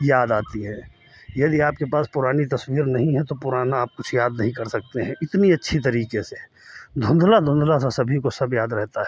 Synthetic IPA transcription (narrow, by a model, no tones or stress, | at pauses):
jaːd̪aːt̪iɦɛ̃ː | jɐd̪iaːp̚kepaːspʊɾaːnit̪ɐswiːɾnɐɦĩɦɛ̃t̪opʊɾaːnaːp̚kʊt͡ʃʰjaːd̪nɐɦĩkɐɾsɐk̚t̪eɦɛ̃ʔɪt̪niɐtːʃʰit̪̬ɐɾiːkese | d̪ʱʊ̃nd̪lad̪ʱʊ̃nd̪lasasɐbʱikosɐbjaːd̪ɾɛɦt̪aɦɛː